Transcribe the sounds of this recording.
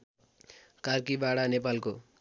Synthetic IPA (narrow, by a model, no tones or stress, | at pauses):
karkibaɽanepalko